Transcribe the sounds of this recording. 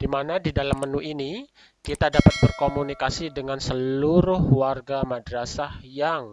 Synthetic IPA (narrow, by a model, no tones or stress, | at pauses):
d̥imanadidalamːənuʔini | kit̪adapat̪̚bərkomunikasidəŋansəluɾʊhwarɡamadɾasahjaŋ